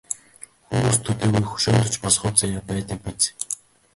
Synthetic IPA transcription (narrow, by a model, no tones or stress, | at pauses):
xumuːst̪ʰɵt̪eːɣujxɵ̥ʃoːnt̪ɞ̆t͡ɕpɔsχʊ̆ːt͡sajaːpæːt̪ə̆k̚pit͡s